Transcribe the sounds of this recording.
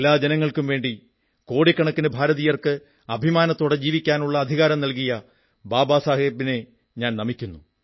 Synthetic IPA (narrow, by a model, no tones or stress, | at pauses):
elːaːd͡ʑenɐŋːɐɭkumʋe̞ːɳɖi | ko̞ːɽikːɐɳɐkːinɨbʱaːɾɐðijɐrkɨ | ɐbʱimaːnɐt̪ːo̞ːɽe̞d͡ʑiːʋikʲːaːnuɭːɐːd̪ʱiɣaːɾɐmnɐlkijɐ | baːbaːsaːɦibine̞ | ɲaːnnɐmikʲːunːu